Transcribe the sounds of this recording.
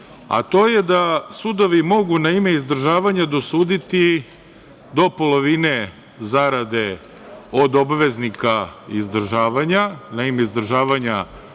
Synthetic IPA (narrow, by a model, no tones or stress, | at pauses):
a̰t̪o̞ːjed̪asud̪o̞ʋimo̞ɡunaime̞izd̪r̩ʒaːʋaɲad̪o̞suːd̪it̪i | d̪o̞po̞lˠo̞ʋine̞ | zaɾad̪e̞ | od̪obaʋe̞znikaizd̪r̩ʒaːʋaɲanaime̞izd̪r̩ʒaːʋaɲa